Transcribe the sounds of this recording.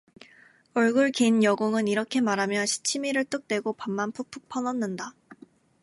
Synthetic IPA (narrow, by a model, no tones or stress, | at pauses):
ʌɭɡuɭkenjʌɡoŋɯniɾʌkʰe̞maɾɦamjʌnɕʰi̥t͡ɕʰimiɾɯɭt͈ɯk̚t͈we̞ɡopamːanpʰupʰuk̚pʰʌnʌnːɯnda